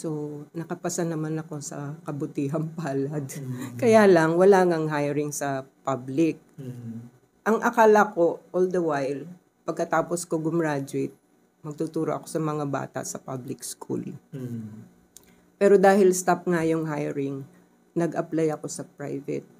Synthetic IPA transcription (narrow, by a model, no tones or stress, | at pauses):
so̞nɐkɐpɐsanɐmanɐko̞sɐ̰kɐbʊt̪iːɦɐmpaːlɐd̪kɐjaːlɐŋwɐlaːŋɐŋɦajɛɾɪŋsɐpablɪk̚ | ʔɐŋʔɐkaːlɐko̞ʔold̪ɐwajl | pɐɡ̚kɐt̪aːposkoɡʊmɹaːd͡ʒwɪt̪̚ | mɐɡ̚t̪ut̪uːɾoʔɐko̞sɐmɐŋaba̰ːt̪ɐ̰ʔsɐpa̰blɪkskʰṵl | pɛːɾo̞d̪aːhɪlst̪ap̚ŋɐjoŋɦajɹɪŋ | nɐɡʔɐplajɐko̞sɐpɹa̰jvɛ̰t̪̚